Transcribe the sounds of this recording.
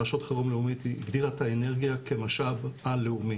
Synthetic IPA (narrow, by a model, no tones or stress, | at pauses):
aʃot̪χeʁomleumit̪ḭɡd̪iʁat̪ʰaene̞ʁɡijake̞maʃabalːeumi